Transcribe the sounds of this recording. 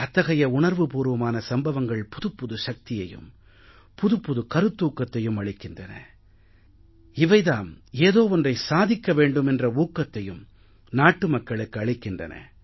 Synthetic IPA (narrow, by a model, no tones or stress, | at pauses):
ɐt̪ːɐɣɐjɐʊɳɐɾʋɯpuːɾʋɐmaːnɐsɐmbɐʋɐŋɡɐɭpʊðɯpːʊðɯʂɐk̚t̪ɪjɐjɯ̰m | pʊðɯpːʊðɯkɐɾɯt̪ːuːkːɐt̪ːɐjɯmɐɭɪkːɪndrɐnɐ̰ | ɪʋɐɪðaːmeːðoːɔndrɐɪsaːðɪkːɐʋeːɳɖɯmɛndrɐuːkːɐt̪ːɐjɯm | naːʈːɯmɐkːɐɭɯkːɯɐɭɪkːɪndrɐ̰nɐ̰